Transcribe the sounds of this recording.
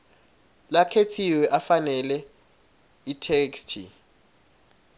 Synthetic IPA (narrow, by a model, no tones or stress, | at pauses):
lakʰetʰiwɛʔafanɛlɛ | itʰekstʰḭ